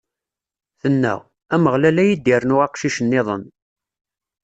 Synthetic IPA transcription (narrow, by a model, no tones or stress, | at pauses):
θənːæ̰ʁ | æməʁlælæjid̪ːiɾənʊʁɑqʃiʃənːɪðˤən